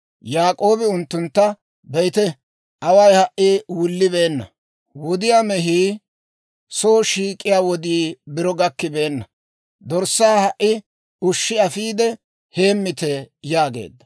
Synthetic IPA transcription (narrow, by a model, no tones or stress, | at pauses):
jaːkʼo̞ːbɪʊnt̪ːʊnt̪ːɐ | bɛjt̪ɛ | ʔɐwɐjhɐʔʔiwʊlːɪbe̞ːnːɐ̰ | wʊɔd̪ɪjaːmɛɦiː | soːʃiːkʼːɪjaːwɔd̪iːbɪɾɔɡɐkːɪbe̞ːnːɐ | d̪ɔɾsːaːhɐʔːɪ | ʊʃːɪɐfiːd̪ɛ | he̞ːmːɪt̪ɛjaːɡe̞̰ːd̪ːɐ̥